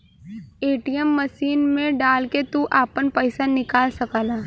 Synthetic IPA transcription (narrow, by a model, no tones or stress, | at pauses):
eːʈijəmːəʃiːnmẽɖaːlket̪uʔaːpənpəɪsanɪkaːlsɐkaːlaː